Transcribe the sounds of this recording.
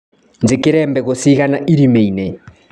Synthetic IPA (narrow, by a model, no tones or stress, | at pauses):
nd͡zikɪɾɛmbɛk̬ɔsikanaʔiɾimeinɛ